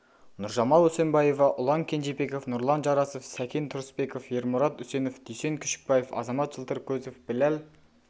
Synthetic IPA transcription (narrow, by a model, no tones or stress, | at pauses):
nʊɾʒɑmɑlˠʏse̞mbɑjevɑʔʊlˠɑŋkʲʰe̞nʒepe̞kofnʊɾlˠɑnʒɑɾɑsofsækʲent̪ʰʊɾəspe̞kofje̞ɾmʊɾɑt̪ʏse̞nofd̪̥ijse̞ŋkʲʰʏ̥ʃɪ̥k̚pɑje̞fɑ̰zɑmɑt̪ʒ̥əlˠt̪əɾkʲʰɵzɪfbɪlæl